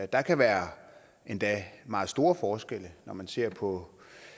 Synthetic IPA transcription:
d̥ɑ̈kʰæʋæːɐ | ʔe̝nd̥ɛ̰mɑ̈ːð̩ˠsd̥o̝ːɐfɒːsɡ̥el̰ənɒmænse̝ɐ̰pʰɒ̽

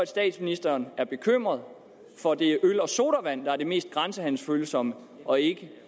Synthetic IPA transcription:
æd̥sd̥ɛ̰ːd̥sminisd̥ɐːnæɐb̥e̝kʰøm̰ʁɐðˠ | fɒ̽d̥e̝ʔølɒ̽so̝ːɾɐʋæn̰d̥ɑ̈æɐ̥e̝me̝̰ːsd̥̚ɡ̥ʁansəhæn̰l̩sføːləsɒ̽mə | ʔɒ̽e̝ɡ̥ə

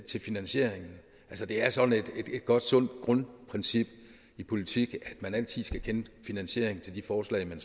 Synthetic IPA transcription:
t͡sʰe̝lfinænɕe̝ɐ̰eŋn̩ | ʔælsəd̥e̝æɐsɒ̽d̥ne̝d̥e̝d̥e̝d̥ɡ̥ɒ̽d̥sɔ̽n̰d̥ɡ̥ʁɔ̽npʰʁɛnsib̥ | ipʰo̝lit͡sʰiɡ̥æd̥mænæl̰t͡sʰið̰ˠsɡ̥ækʰenəfinænɕe̝̰ɐ̰e̝ŋn̩t͡sʰe̝ld̥ifɒːslɛ̰ɪmæn

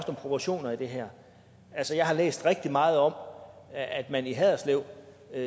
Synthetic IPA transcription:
sd̥ɒ̽mpʰʁo̝pʰɒɕo̝̰ːnɐid̥e̝ɦæɐ̰ | ælsəjɑ̈ɪhɑ̈lḛːsd̥ʁeɡ̥̚d̥imɑ̈ːð̞̩ˠɒ̽m | æd̥mæniɦɛð̰ˠɐsleʊ̰

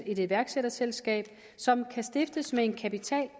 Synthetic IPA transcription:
e̝ɾ̥e̝̥ʋæɐɡ̥seɾ̥ɐselsɡ̥ɛ̰ːb̥ | sɒ̽mkʰæsd̥e̝fd̥əsmee̝nkʰæpit͡sʰɛ̰ːl

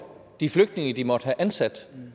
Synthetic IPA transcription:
d̥ifløɡ̥̚d̥ne̝ŋəd̥imɒ̽d̥hæʔænsæd̥

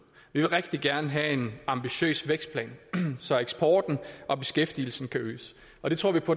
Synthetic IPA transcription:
ʋiʋe̝lʁɛɡ̥̚d̥iɡ̥æɐnəɦæe̝nɑ̈mb̥iɕø̰ːsʋeɡ̥sd̥̚pʰlɛ̰ːnsɒ̽eɡ̥sb̥ʰɒ̰ːd̥n̩ʔɒ̽b̥e̝sɡ̥efd̥il̩sn̩kʰæøːs | ɒ̽d̥e̝t͡sʰʁo̝ɐ̰ʋipʰɒ̽

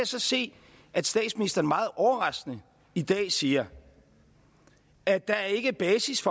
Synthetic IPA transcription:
æsɒ̽se̝̰ː | æd̥sd̥ɛ̰ːd̥sminisd̥ɐn̩mɑ̈ːð̩ˠʔɒʊɐʁɑ̈sɡ̥nə | id̥ɛ̰ːsiːɐ | æd̥ɑ̈æɐe̝ɡ̥əb̥ɛːsisfɒ

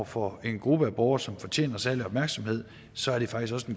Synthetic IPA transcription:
ɐfɒ̽e̝nɡ̥ʁubəæb̥ɒʊɐsɒ̽mfɒ̽t͡ɕʰḛːnɐsæɐliɒ̽b̥mæɐɡ̥sɒ̽mhe̝ð̞̰ˠ | sɒ̽æɐɾ̥e̝fɑ̈ɡ̥isɡ̥ɒ̽səe̝nɡ

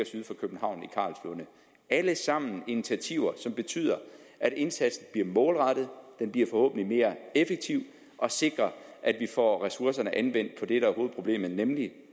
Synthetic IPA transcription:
ɐsyð̞̩ˠfɒ̽kʰøb̥n̩ɦɑ̈ʊ̰nikʰɑ̰̈ːlsonə | æləsɑ̈m̰n̩init͡sʰiæt͡sʰiʊɐsɒ̽mb̥e̝t͡sʰy̰ːð̞̰ˠɐʔæɾ̥e̝nsæd̥sn̩b̥liɐmɔ̽ːlʁɑd̥ð̞̩ˠd̥enb̥liːɐfɒ̽hɔ̰̽ːb̥n̩lime̝ːɐefeɡ̥̚t͡sʰiʊ̰ | ʔɒ̽se̝ɡ̥ʁɐʔæd̥ʋifɒ̰ːʁɛsuɐsɐnəʔænʋen̰d̥̚pʰɒ̽d̥eɾ̥ææho̝ːð̩ˠpʰo̝ble̝̰ːmð̩ˠnemli

